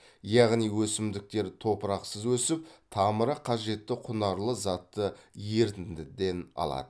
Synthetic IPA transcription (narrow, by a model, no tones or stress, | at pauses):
jɑʁnijwɵsɪmd̪ɪk̚t̪e̞ɾt̪ʰo̞pəɾɑqsəzwɵsɪp̚t̪ʰɑməɾəqʰɑʒe̞t̪ːɪqʰʊnɑɾlˠəzɑt̪ːəje̞ɾt̪ɪnd̪ɪd̪e̞nɑ̰lˠɑ̰d̪ə